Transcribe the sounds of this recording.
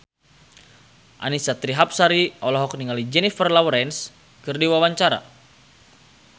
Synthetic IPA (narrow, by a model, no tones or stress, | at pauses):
ʔa̰nisat̪ɾiɦap̚saɾiɔlɔɦɔkniŋalid͡ʒɛnifərlawɾɛns | kɨrdiwawaɲt͡ʃaɾa̰